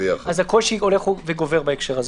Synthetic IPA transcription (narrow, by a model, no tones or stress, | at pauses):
iaχazako̞lʃio̞leχuveɡo̞veʁbaekʃeʁaz